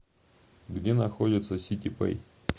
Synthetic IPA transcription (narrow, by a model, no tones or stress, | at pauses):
ɡdʲenɐxodʲɪt̪səsʲitʲɪpɛ̰j